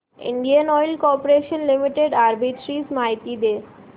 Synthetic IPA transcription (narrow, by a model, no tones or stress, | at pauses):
ḭɳɖianɔjlkɔɾpoɾeʃonlimiʈeɖaɾbiʈɾizmajt̪id̪eɾ